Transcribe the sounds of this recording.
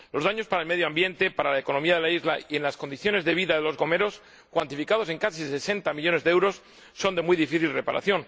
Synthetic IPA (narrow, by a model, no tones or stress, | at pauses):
lo̞zðaɲo̞spaɾaelme̞ðjoambje̞nt̪e̞paɾalaeko̞no̞miaðe̞laizla̰ie̞nlaskond̪iθjo̞ne̞zðe̞β̞iðaðe̞lo̞zɣo̞me̞ɾo̞s | kwant̪ifikað̞ose̞ŋkasise̞se̞nt̪amiʎo̞ne̞zðeewɾo̞sː | o̞nd̪e̞muijðifiθilre̞paɾa̰θjo̞n